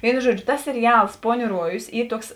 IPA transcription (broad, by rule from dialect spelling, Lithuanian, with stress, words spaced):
ˈʋʲeːɪnʊ ˈʒuɔd͡ʒʲʊ tɐs sʲɛrʲɪˈɐlˠs ˈpoːˌnʲuː ˈruɔjʊs ˈiː ˈtuɔks